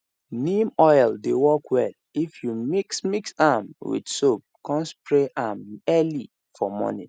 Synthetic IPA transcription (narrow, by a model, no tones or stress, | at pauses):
nĩmɔjldewɔkwɛl | ifjumiksmiksamwḭdsop̚kɔ̃nspɹeʔamɛli | fɔmɔ̰nḭ